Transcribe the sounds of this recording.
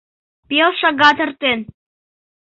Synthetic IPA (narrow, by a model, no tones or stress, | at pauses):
pelˠʃɑɡɑt̪ə̆rt̪en